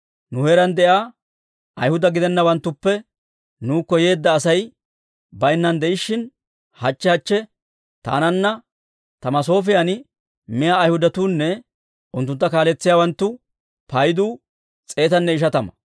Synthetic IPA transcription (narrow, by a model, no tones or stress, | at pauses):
nʊheːɾɐnd̪ɛʔaː | ʔɐjhʊd̪ɐɡɪd̪ɛnːɐwɐnt̪ːʊpːɛ | nuːkːɔje̞ːd̪ːɐːsɐj | bɐjnːɐnd̪ɛʔɪʃːɪn | hɐt͡ʃːɛhɐt͡ʃːɛ | t̪a̰ːnɐnːɐ | t̪ɐmɐso̞ːfɪjɐn | mɪjaːjhʊd̪ɐt̪uːnːɛ | ʔʊnt̪ːʊnt̪ːɐkaːlɛt͡sːɪjaːwɐnt̪ːʊ | pɐjd̪uː | t͡sʼe̞ːt̪ɐnːɛɪʃɐt̪ɐmɐ̥